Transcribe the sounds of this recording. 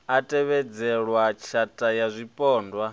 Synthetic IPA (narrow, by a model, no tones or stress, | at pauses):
atʼɛβɛd͡zɛɺwat͡ʃʰatʼajazʷipʼɔːndwa